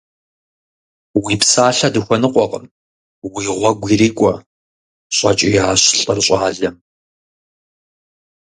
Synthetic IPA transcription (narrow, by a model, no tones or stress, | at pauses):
wiːpsaːɬɐdɨxʷɔnɨqʷʼɔqəm | wiːʁʷɔɡʷiːriːkʷʼɔ | ɕʼɐt͡ʃʼijaːɕɬʼɐrɕʼaːɮɐm